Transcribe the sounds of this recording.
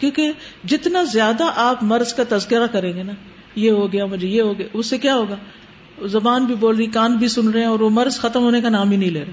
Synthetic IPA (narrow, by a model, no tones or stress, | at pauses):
kjõːked͡ʒɪt̪nazjaːd̪aʔaːpmɐɾzkat̪ɐzkɪɾakɐɾẽːŋɡenaː | jeɦoɡɐjamʊd͡ʒʱejeɦoɡɐjaʊsːekjaːɦoːɡaː | zɐbaːnbʱiboːlɾikãːnt̪̚bʱisʊnɾɐɦɛ̃ɔːɾʋomɐɾzxɐt̪əmɦoːnekanaːmbʱinɐɦĩleːɾaː